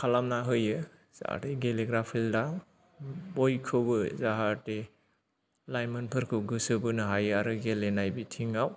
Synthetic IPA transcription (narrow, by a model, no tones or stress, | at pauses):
kʰalamnaɦɯjɯ | z̥a̰a̰eɡeleɡɾapʰilda | bojkʰɯbɯzaɦaɾte | lajmɐnpʰɯɾkʰɯɡɯsɯbɯnɯɦajɯaɾɯɡelenajbitʰiŋaw